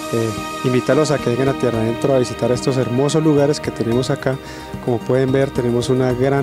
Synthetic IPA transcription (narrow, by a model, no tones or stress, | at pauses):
e | imbit̪aɾlo̞s̬ake̞βeŋɡanat̪jeraðe̞nt̪ɾoaβisit̪aɾe̞st̪o̞s̬e̞ɾmo̞s̬o̞zluɣaɾe̞ske̞t̪ene̞mo̞saka | ko̞mo̞pwe̞ðe̞mbe̞ɾt̪e̞ne̞mo̞sunaɣɾa